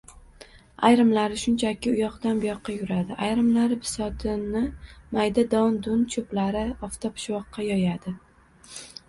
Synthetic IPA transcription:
ajɾɪmlaɾɪʃʊnt͡ʃʰakʲɪʊjɒqd̪anbʊjɒqːɑjʊɾad̪ɪʔajɾɪmlaɾɪpʰɪ̥sɒt̪ʰɪnɪmajd̪ad̪ɒnd̪ʊnt͡ʃʰoplaɾɪɒft̪ʰopʰɪ̥ʃwɒqːɑjɒjad̪ɪ

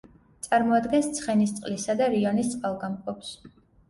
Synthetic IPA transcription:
t̪sʼaɾmɔad̪ɡɛnst̪sʰχɛnist̪sʼqʼlisad̪aɾiɔnist̪sʼqʼalˠɡamqʼɔps

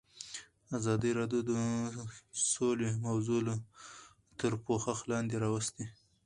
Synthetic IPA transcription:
azɑd̪iɾɑdjod̪ə | solemawzulo | t̪əɾpoxaxlɑnd̪eɾɑwəst̪e

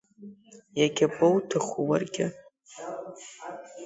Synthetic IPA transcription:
jaɡʲapʼowtʰɨχuwa̰rɡʲɪ

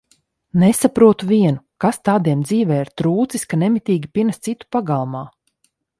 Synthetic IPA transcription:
nesapɾuɔt̪uvʲiɛnukast̪aːd̪iɛmd̪ziːvɛːiɾt̪ɾuːt̪siskanemit̪ʲiːɡʲipʲiɛnast̪sit̪u̥paɡalˠmaː

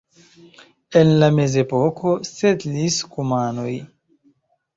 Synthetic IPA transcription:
enlame̞ze̞po̞kʰo̞setliskumano̞j

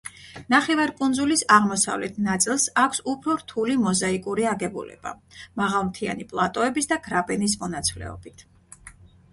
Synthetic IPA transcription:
naχɛvaɾkʼunzulisaʁmɔsa̰vlɛt̪ʰnat̪sʼilˠsakʷʰsupʰɾɔɾt̪ʰulimɔzaikʼuɾiaɡɛbṵlɛ̰b̥a̰maʁalˠmt̪ʰia̰nipʼlˠat̪ʼɔɛbisd̪aɡɾabɛnis̬mɔnat̪sʰvlɛ̰ɔ̰b̥it̪ʰ

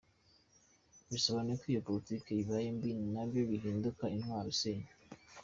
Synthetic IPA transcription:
βisoβanekijopolitikeiβajembinnaβjo̞βiɦiːndukainhwaːɾoseɲḁ

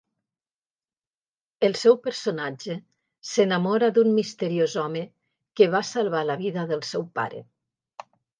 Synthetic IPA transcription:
əlˠsɛwpəɾsonad͡ʒe | senamɔɾad̪ummist̪əɾiozɔmə | keβasalˠβ̞alaβiðaðəlˠsɛwpa̰ɾḛ

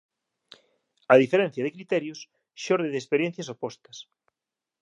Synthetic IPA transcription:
ɐðifeɾẽn̟θjɐðekɾit̪eɾjos | ʃoɾðeðespeɾjen̟θjɐsopɔst̪ɐs

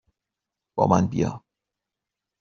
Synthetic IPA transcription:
b̥ɒ̰ːmʔænbijɒ̰ː

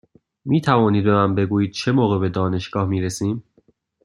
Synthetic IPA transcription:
miːt̪ʰævɒːniːd̪̚bemæmbe̞ɡuːjiːd̪̥̚t͡ʃʰe̞moːɣebe̞d̪ɒːne̞ʃɡ̥ɒːhmiːɾesiːm

